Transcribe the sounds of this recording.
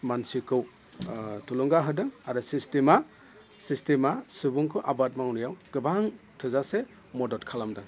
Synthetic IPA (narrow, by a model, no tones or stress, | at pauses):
mansikɯw | tulɔŋɡaɦɯdɯŋaɾɯsistema | sistemasɯbuŋkʰɯʔabat̚maŋwnɯjawɡ̥ɯbaŋ | tʰɯzase | mɔdɔtkʰalamdɯŋ